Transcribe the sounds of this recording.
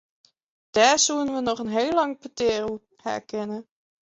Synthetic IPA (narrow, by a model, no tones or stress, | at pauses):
d̥aːɹzuwənʋənɔχənɦejlːɑŋpəteːrə | hɛ̰ɹkɛnə